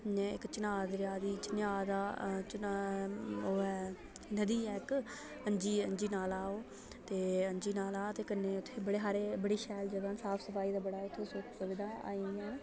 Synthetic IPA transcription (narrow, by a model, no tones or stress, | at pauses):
ɛ̃ːɪ̰kt͡ʃɪnaːd̪ɾjaːd̪iːt͡ʃɪnjaːd̪aːt͡ʃ | oːɛː | nəd̪iːɛːk | ənd͡ʒiːə̰nd͡ʒiːnaːlaːoː | t̪eːəɲd͡ʒiːnaːlaːt̪eːkəneːʊt̪ʰːeːbəɽeːɦaːɾeːbəɽeːʃɛːld͡ʒəɡãːnsaːpsəfʰaːiːd̪aːbəɽaːʊt̪ʰːeːsʊksʊʋɪd̪ʱaːa̰ːĩɛ̃ː